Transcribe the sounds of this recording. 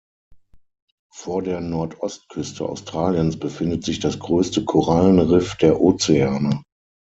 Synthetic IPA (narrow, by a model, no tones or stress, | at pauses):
foːɐdeːɐnɔɐtʔɔst̚kʰʏstʰəʔa̰ʊstʁ̥aːljənsb̥əfɪndətz̥ɪçd̥asɡ̥ʁøːstəkʰoʁalənʁɪfd̥eːɐʔoːt͡seaːnə